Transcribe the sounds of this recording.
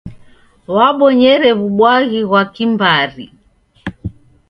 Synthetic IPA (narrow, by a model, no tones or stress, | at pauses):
waɓɔɲɛɾɛβuɓwaɣiɣwakimbaɾi